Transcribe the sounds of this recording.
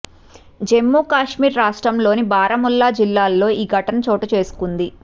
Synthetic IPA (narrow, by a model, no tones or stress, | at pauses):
d͡ʒe̞mːuːkaːʂmiːɾɾaːʂʈɾɐmlo̞ːnibaːɾɐmulːaːd͡ʒilːaːlːo̞ːʔiːɡʱɐʈɐnɐt͡ʃoːʈɐt͡ʃe̞ːsu̥kund̪i